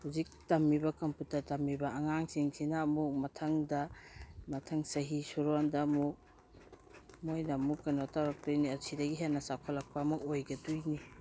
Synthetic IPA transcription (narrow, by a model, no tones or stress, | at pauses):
huzik̚tɐmːibɐkɐmputɐɾtɐmːibɐɐŋaŋsiŋsʰinaːmuk̚mɐtʰɐŋdɐmɐtʰɐŋsɐɦisuɾɔndɐmuk̚ | mojnɐmukːɐnɔtawɾak̚tujniɐsʰidɐɡiɦenɐsakʰɔlɐk̚paːmukojɡɐtujni